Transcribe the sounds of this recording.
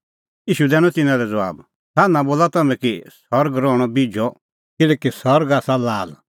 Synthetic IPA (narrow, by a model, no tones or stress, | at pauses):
jiːʃud̪ɛːñɔ̃t̪ɪnãlɛd͡za̰ːb | saːnãboːlat̪ɐmɛ̃kisɔɾɡɾɔːɽ̃ɔbid͡ʒʱɔ | kɪlɛːkisɔɾɡaːsalaːl